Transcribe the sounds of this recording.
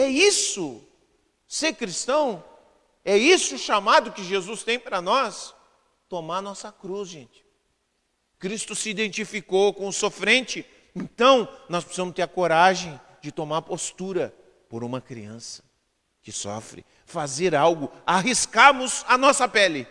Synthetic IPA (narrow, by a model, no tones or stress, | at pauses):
ɛisʊ | seɾkɾist̪ɐ̃w̃ | ɛisʊʃamad̪ʊkɪʒezust̪ẽj̃paɾɐnɔs | t̪omaɾɐnɔsɐkɾuzʒẽnt͡ʃɪ̥ | kɾist̪ʊsɪid̪ẽnt͡ʃifikowkõʊsofɾẽnt͡ʃɪ | ẽnt̪ɐ̃w̃nɔspɪ̥sizɐ̃mʊst̪eɾɐkoɾaʒẽj̃ | d͡ʒɪt̪omaɾpost̪uɾɐ | poɾũmɐkɾḭɐ̃sɐ̥ | kɪsɔ̰fɾɪ̰ | fazeɾawɡʊaɦiskaɾmʊzanɔsɐpɛlɪ